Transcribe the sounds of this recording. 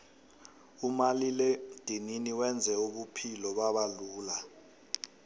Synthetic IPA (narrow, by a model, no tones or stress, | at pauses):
umaliled̥ʱininiwɛnd͡zʱɛuɓupʰilɔɓaɓaluːla